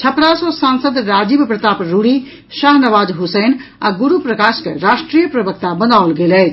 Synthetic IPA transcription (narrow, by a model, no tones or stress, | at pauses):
t͡ʃʰəpɽasosansəd̪ɾad͡ʒibpɾət̪apɾuɽi | ʃaːɦnəʋaːd͡ʒɦusəna̰ɡuɾupɾəkaskeɾaʃʈɾijəpɾəbək̚t̪abənaulɡelɛ